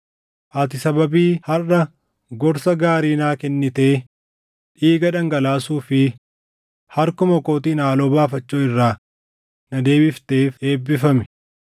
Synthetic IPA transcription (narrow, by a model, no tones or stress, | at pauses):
ʔɐt̪ɪsɐbɐbiːhɐrːɐ | ɡɔɾsɐɡaːɾiːnaːkɛnːɪt̪eː | ᶑiːɡɐᶑɐŋɡɐlaːsuːfɪ | hɐɾkʊmɐko̞ːt̪iːnaːloːbaːfɐt͡ʃːoːɪrːaː | nɐd̪e̞ːbɪft̪e̞ːfe̞ːbːɪfɐmɛ̥